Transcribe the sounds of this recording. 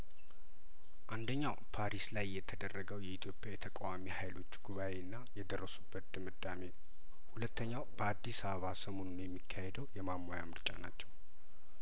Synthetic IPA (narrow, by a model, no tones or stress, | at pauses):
ʔand̪əɲːawpʰaɾislajːɛt̪ʰːəd̪ərːəɡəwjɛit̪ʰjo̞pʼjajɛt̪ʰəkʼawamihajlo̞t͡ʃːɡuβawe̞nːajɛd̪ərːəsubːət̪̚d̪̥ɨmɨd̪ame̞ | hulət̪ːəɲːawb̥əad̪ːisaβəβasəmo̞nunjɛmːikʰːahed̪əwjɛmamːoja̰mɨɾt͡ʃʼa̰na̰t͡ʃːɛw